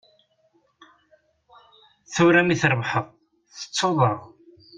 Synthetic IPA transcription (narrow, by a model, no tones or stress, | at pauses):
θuɾæmiθɾˤəvħəʁˤ | θə̥t͡sːoðˤəʁ